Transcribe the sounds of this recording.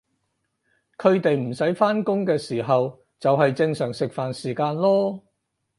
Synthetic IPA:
kʰɵ˨˧ɥt̪e˨jm̩˨˩sɐ˨˥jfaː˥nkʊ˥ŋkɛː˧siː˨˩ɦɐ˨w | t͡sɐ˨wɦɐ˨jt͡sɪ˧ŋsœː˨˩ŋsɪ˨k̚faː˨˩nsiː˨˩kaː˧nlɔː˥

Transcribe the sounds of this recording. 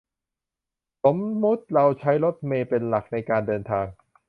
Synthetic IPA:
so˩˦mːu˦˥t̪̚ɾa˧wt͡ɕʰa˦˥jɾo˦˥t̪̚meː˧pe˧nla˨˩k̚na˧jkaː˧ndɤː˧nt̪ʰaː˧ŋ

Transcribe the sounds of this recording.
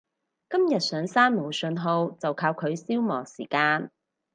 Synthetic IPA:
kɐ˥mjɐ˨t̚sœː˨˥ŋsaː˥nmo˨˩wsɵ˧nɦo˧wt͡sɐ˨wkʰaː˧wkʰɵ˨˧ɥsiː˥wmɔː˨˩siː˨˩kaː˧n

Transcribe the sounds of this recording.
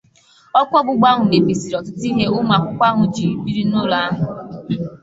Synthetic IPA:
ɔ˦kʷɔ˦bʊ˨ɡ͡ba˦ɦʊ˨ne˨pi˨si˨ɾɔ˨tɪ˨˦ti˦ɦe˦ʊ˦ma˨kʷʊ˦kʷa˦ɦʊ˨d͡ʒi˨ɾi˨bi˦ɾi˦nʊ˦la˦a˦ɦʊ˨

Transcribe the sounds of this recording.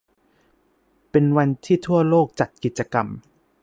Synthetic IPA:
pe˧nwa˧nt̪ʰiː˥˩t̪ʰu˥˩ɐloː˥˩k̚t͡ɕa˨˩t̪̚ki˨˩t̪̚t͡ɕa˧ka˧m

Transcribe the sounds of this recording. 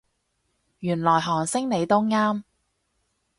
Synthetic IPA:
jyː˨˩nlɔː˨˩jɦɔː˨˩ŋsɪ˥ŋne˨˧jt̪ʊ˥ŋŋaː˥m

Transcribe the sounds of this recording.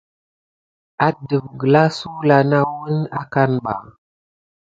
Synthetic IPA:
a˦də˨b̚ɡə˨la˦su˦la˨na˦wə˦na˦ka˦nɓa̰˨

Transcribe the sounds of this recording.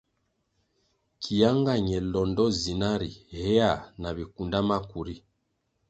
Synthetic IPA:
kʰi˨ja˦ŋɡa˦˨ɲɛ˨lɔ˨ndɔ˦zi˨na˦ɾi˨hɛ˦a˦˨na˨βi˨ku˨nda˦ma˦ku˨ɾi˦

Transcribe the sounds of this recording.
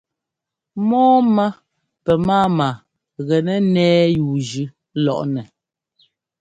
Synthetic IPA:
mɔː˦ma˦ | pɛ˨maː˦ma˨ | ɣɛ˨nɛ˦nɛː˦juː˨d͡ʒʉ˨˦ | lɔ˨ʔnɛ˨

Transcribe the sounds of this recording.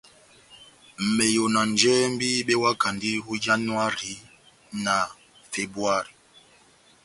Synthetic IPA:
m̩˨me˨jo˨na˨n˨d͡ʒɛ˦m̩˦bi˦ɓɛ˦wa˦ka˨ndi˦ɦu˦d͡ʒa˦nu˦a˦ɾi˨˦ | na˨ | fe˨bwa˦ɾi˨

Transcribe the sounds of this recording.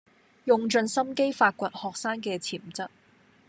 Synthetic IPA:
jʊ˧ŋt͡ʃɵ˧nsɐ˥mke˥jfaː˧t̚kʷɐ˧t̚hɔː˨k̚saː˥ŋkɛː˧t͡sʰiː˨˩mt͡sɐ˥t̚

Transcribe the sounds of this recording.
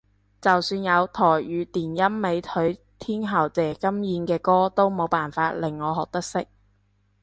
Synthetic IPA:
t͡sɐ˨wsyː˧njɐ˨˧wt̪ʰɔː˨˩jɥyː˨˧t̪iː˨˩njɐ˥mme˨˧jt̪ʰɵ˨˥ɥ | t̪ʰiː˥nɦɐ˨˩wt͡sɛː˨˩kɐ˥mjiː˨˧nkɛː˧kɔː˥t̪o˥wmo˨˧wpaː˨nfaː˧t̚lɪ˨˩ŋːɔː˨˧ɦɔː˨k̚t̪ɐ˥k̚sɪ˥k̚

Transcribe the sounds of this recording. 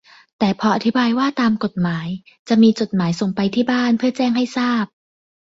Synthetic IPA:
t̪ɛː˨˩pʰɔ˧ʔa˨˩t̪ʰi˦˥baː˧jwaː˥˩t̪aː˧mko˨˩t̪̚maː˩˦j | t͡ɕa˨˩ʔmiː˧t͡ɕo˨˩t̪̚maː˩˦jso˨˩ŋpa˧jt̪ʰiː˥˩baː˥˩npʰɯ˥˩ɐt͡ɕɛː˥˩ŋɦa˥˩jsaː˥˩p̚

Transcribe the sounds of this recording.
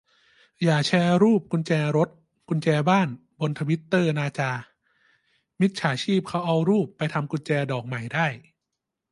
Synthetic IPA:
jaː˨˩t͡ɕʰɛː˧ɾuː˥˩p̚ku˧nt͡ɕɛː˧ɾo˦˥t̪̚ | ku˧nt͡ɕɛː˧baː˥˩nbo˧nt̪ʰa˧wi˦˥t̪ːɤː˥˩naː˧t͡ɕaː˧ | mi˦˥t̪̚t͡ɕʰaː˩˦t͡ɕʰiː˥˩p̚kʰa˦˥wʔa˧wɾuː˥˩pːa˧jt̪ʰa˧mku˧nt͡ɕɛː˧dɔː˨˩k̚ma˨˩jdaː˥˩j

